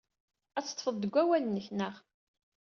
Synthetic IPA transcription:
æt͡sːə̥t̪ˤːfəðˤd̪əɡʷæwælnːəçnəʁ

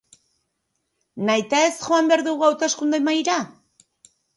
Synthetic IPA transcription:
najt̪ae̞sʝo̞ambe̞aɾðuɣuawt̪e̞skund̪emajɾa

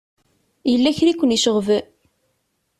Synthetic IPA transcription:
jəlːæçɾikʷːəniʃəʁvə

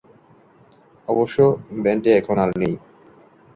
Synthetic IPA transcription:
ɔboʃːobɛnʈeɛkʰonalnej

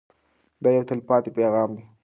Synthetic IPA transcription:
d̪ɑːjawt̪əlpɑːt̪epeːɣɑːmdi

